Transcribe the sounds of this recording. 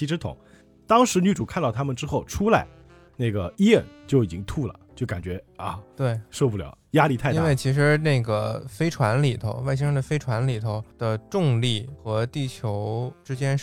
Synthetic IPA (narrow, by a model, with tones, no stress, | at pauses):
i˥ʈ͡ʂʰɻ̩˥t̪ʰʊ̰˨˩˦ŋ | t̪ɑ˥ŋʂɻ̩˧˥ny˥˩ʈ͡ʂu˨˩kʰa˥˧t̪ɑ˥˩ʊt̪ʰa˥mə˨nʈ͡ʂɻ̩˥xo˥˩ʊʈ͡ʂʰu˥la˧˥˦ɪ | ne˥˩ɡə˩i˥jɛ˥˧˩nt͡ɕjo˥˩ʊi˨˩t͡ɕi˥ŋt̪ʰu˥˩lə̰˩t͡ɕjo˥˩ʊka̰˨˩nt͡ɕɥɛ˧˥ɐ˥˧˩t̪we˥˩ɪʂo˥˧p̬u˥˩ljɑ˨˩˦ʊja˥li˥˧t̪ʰa˥˩˥nwe˥˩ɪt͡ɕʰi˧˥ʂ̬ɻ̩˧˥ne˥˩ɪɡə˩fe˥ɪʈ͡ʂʰwa˧˥nli˨˩t̪ʰo˧˥ʊwɪɕ̬i˥ŋʂɤ˥ŋd̪ə˨fe˥ɪʈ͡ʂʰwa˧˥nli˨˩t̪ʰo˧˥ʊd̪̥ə˧ʈ͡ʂʊ˥˧ŋli˥˩xɤ˧˥t̪i˥˩t͡ɕʰjo˧˥ʊʈ͡ʂɻ̩˥t͡ɕjɛ˥nʂ